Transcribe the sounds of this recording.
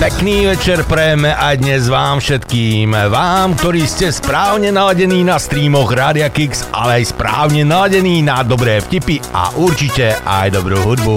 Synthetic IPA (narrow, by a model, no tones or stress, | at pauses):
pɛkniːʋɛt͡ʃɛɾpɾɛjɛmɛʔajd̪ɲɛzʋaːmfʃɛt̪kiːmʋaːmk̚t̪ɔɾiːscɛspɾaːʊɲɛnalaɟɛniːnast̪ɾiːmɔɣɾaːd̪ɪakiksʔa̰lɛajspɾa̰ːʊɲɛnalaɟɛniːnad̪ɔbɾɛːfcipia̰ʔuɾt͡ʃicɛa̰jd̪ɔbɾuːɦud̪bu